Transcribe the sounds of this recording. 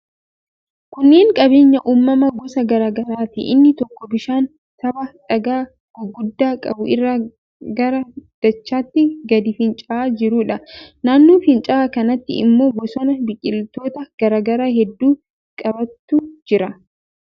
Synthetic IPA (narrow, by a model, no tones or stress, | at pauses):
kʊnːe̞ːŋkʼɐbe̞ːɲːɐʔuːmːɐmɐɡɔsɐɡɐɾaːɡɐɾaːt̪ɪ̰ʔɪ̰nːɪt̪ɔkːɔbɪʃaːn | t̪ɐbɐᶑɐɡaː | ɡ̥ɔɡʊd̪ːaːkʼɐbʊɪrːa | ɡɐɾɐd̪̥ɐt͡ʃːaːt̪ːɪɡɐd̪ɪfɪnt͡ʃʼɐaːd͡ʒɪɾuːᶑɐnaːnːoːfɪnt͡ʃʼaːkɐnɐt̪ːɪ̰ɪ̰mːo̞ːbɔsɔnɐbɪkʼɪlt̪o̞ːt̪ɐɡ̥ɐɾaːɡɐɾaːhɛd̪ːuː | kʼɐbɐt̪ːud͡ʒɪɾɐ